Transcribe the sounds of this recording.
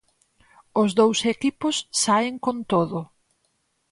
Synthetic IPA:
ʊzðowsekipʊsːaɪŋkont̪oðʊ

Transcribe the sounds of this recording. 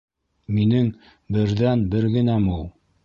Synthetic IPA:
minɘŋ | bɘ̆ɾðænbɘɾɡɘ̆næmulˠ

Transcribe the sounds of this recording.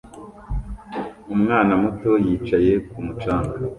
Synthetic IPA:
umŋaːnamuto̞jiːt͡ʃaje̞kumut͡ʃaːŋɡa

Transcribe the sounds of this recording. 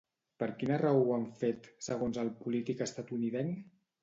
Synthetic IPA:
pəɾkinərawuaɱfet̪səɣ̞onzəlˠpulit̪ikəst̪at̪uniðɛn

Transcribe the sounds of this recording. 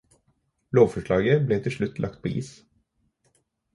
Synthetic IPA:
loːʋfɔʃɭɑːɡəbleːt̪ʰɪlʃɭʉt̪ʰlɑ̰kt̪̚pʰoːʔḭːs

